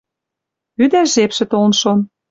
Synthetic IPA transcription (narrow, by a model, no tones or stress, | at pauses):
yd̪æʒepʃɘ̆t̪olnʃom